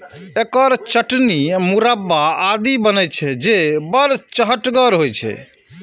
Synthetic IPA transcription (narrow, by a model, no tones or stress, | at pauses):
ekəɾt͡ʃəʈnimuɾabːaad̪ibənɛt͡ʃʰɛd͡ʒebəɾt͡ʃəɦəʈɡəɾɦojt͡ʃʰɛ̰